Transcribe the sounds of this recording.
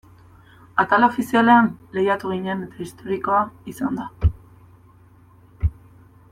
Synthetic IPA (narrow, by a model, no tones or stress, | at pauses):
at̪alaofisiale̞anle̞jat̪uɣ̞iɲene̞t̪ḁist̪o̞ɾiko̞aisand̪a